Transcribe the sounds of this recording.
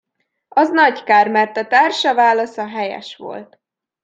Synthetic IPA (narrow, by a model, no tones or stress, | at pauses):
ɒznɒɟkaːrmɛrt̪ɒt̪aːrʃɒvaːlɒsɒɦɛjɛ̰ʃʋo̞̰lt̪